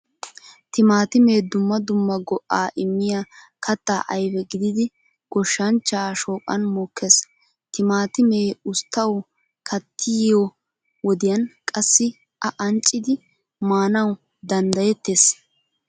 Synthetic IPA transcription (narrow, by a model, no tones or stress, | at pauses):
t̪ɪmaːt̪ɪme̞ːd̪ʊmːɐd̪ʊmːɐɡɔʔaːʔɪmːɪjakʰɐt̪ːaːʔɐjbɛɡɪd̪ɪd̪ɪ | ɡ̥ɔʃːɐnt͡ʃːaːʃoːkʼɐ̰nmoːkʰːes | t̪ɪmaːt̪ɪmeːʊst̪ːɐw | kʰɐt̪ʰːɪjo | wɔd̪ɪjɐnkʼɐsːɪ | ʔɐʔɐnt͡ʃʼːɪd̪ɪ | maːnɐw | d̪ɐnd̪ɐjɛt̪ːeːs